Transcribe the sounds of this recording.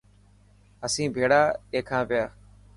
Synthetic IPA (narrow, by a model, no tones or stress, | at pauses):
əsĩːbʱeːɽaːeːkʰãːpɪjaː